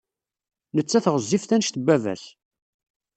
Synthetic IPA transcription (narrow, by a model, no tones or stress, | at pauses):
nət͡sːæθʁəzˤːifθænʃt̪əbːævæ̰s